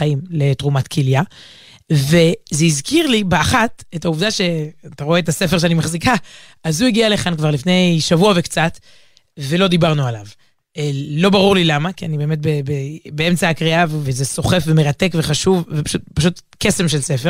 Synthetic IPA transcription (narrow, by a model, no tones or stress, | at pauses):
aimle̞tʁumatkʰilja | ve̞zeizkiʁlibeaχatetauvdaʃe̞ataʁo̞eetase̞fe̞ʁʃeanimaχzika | azhuiɡialeχankvaʁlifne̞jʃavuave̞kt͡sat | ve̞lo̞d̪ibaʁnualav | lo̞baʁuʁlilamakianibeemet̬̚bebebeemt͡saːkʁiavvezeso̞χefve̞meʁat̪e̞kve̞χaʃuvːepḁʃutpaʃ̬ut̪ke̞se̞mʃe̞lse̞feʁ